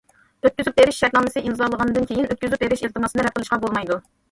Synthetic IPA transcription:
øt̪̚kʲyzyp̚beɾɪʃʃɛɾnɑːmɪsɨʔinzɑlˠəʁɑnɨd̪ɨnkʲʰejinøt̪̚kʲyzyp̚beɾɪʃilt̪ʰɨmɑsɨnɨɾɛp̚qəlˠɨʃqɑbolˠmɑjd̪u

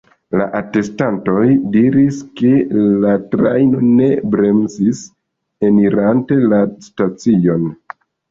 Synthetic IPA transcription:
la̰ʔate̞stanto̞jdiɾiske̞latɾajno̞ne̞bɾe̞mzis | e̞miɾante̞lastat͡sio̞n

